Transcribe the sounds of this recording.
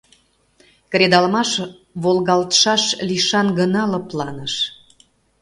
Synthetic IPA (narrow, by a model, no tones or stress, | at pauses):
kɾed̪ɑlmɑʃ | βolɣɑlt̪ə̥ʃɑʃliʃɑnɡənɑlɤplɑnəʃ